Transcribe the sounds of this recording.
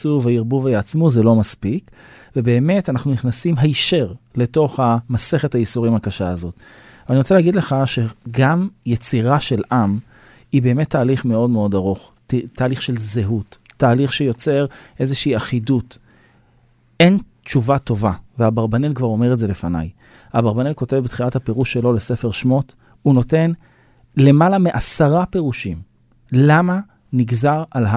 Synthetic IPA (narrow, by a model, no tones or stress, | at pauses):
suveiʁbuvejaat͡smuzelo̞maspik | vebe̞ːme̞tanaχnuniχnasimɦaiʃeʁle̞to̞χhamase̞χethaisuʁimhakaʃaazo̞t | veaniʁo̞t͡selaɡidle̞χaʃeɡamjet͡siʁaʃe̞lʔam | ibe̞ːme̞tːaːliχme̞o̞dme̞o̞daʁoχ | ttʰːaːliχʃe̞lzeɦutːaːliχʃejo̞t͡se̞ʁʔe̞zeʃiːaχidut | e̞n | t͡ʃuvato̞vavehabaʁbanelkvaʁo̞me̞ʁetze̞lefana̰j | habaʁbanelko̞te̞vbet̪χilathape̞ʁuʃːelo̞lese̞feʁʃmo̞t | uno̞te̞n | le̞malamiʔasaʁape̞ʁuʃim | lama | niɡzaʁalɦa